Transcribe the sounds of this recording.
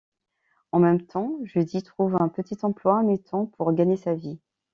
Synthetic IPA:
ɑ̃mɛmt̪ɑ̃ʒəd̪it̪χuvɛ̃pət̪it̪ɑ̃plwamet̪ʰɑ̃pʰuʁɡaɲesavi

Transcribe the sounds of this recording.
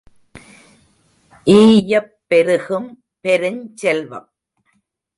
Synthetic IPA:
ʔiːjɐpːɛɾɯɣɯm | pɛɾɯɲt͡ʃɛlʋɐ̰m

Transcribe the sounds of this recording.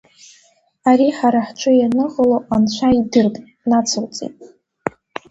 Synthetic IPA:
aɾiħaɾaħt͡ʃʷʰʼʊjanɨʁəloʔanʃʷʰaidɨrkʼ | nat͡sʰowt͡sʼḭtʼ

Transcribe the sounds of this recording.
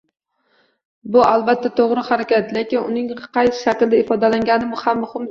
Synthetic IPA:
bʊalˠbat̪ʰːat̪ʰoʁɾɪhaɾakʲʰat̪le̞kʲɪnʊnɪŋqʰɑjsɪ̥ʃakʲld̪aɪfɒd̪alaŋɡʲanɪmʊhamːʊhɪm

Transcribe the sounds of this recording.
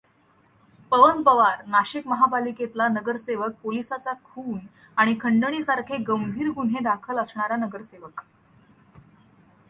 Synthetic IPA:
pəʋənpəʋaɾnaɕikməɦapaliket̪lanəɡəɾseʋək̚polisat͡sakʰuːn | aɽ̃ikʰəɳɖəɳ̃iːsaɾkʰeɡəmbʱiːɾɡun̤ed̪akʰələsɳaɾanəɡəɾseʋək

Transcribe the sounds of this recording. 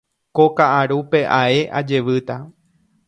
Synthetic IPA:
kokaʔaɾupe̞ʔae̞ʔa̰d͡ʒe̞ʋɨt̪a

